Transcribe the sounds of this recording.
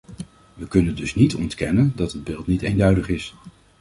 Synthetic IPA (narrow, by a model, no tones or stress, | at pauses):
ʋəkɵnəndɵsnitʰɔ̰ntkɛnəndɑtɦəd̚bɪːlˠtnitejndœɥdəχɪs